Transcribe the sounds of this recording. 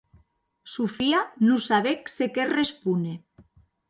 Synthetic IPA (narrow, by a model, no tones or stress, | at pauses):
sufianusaβeksekerespune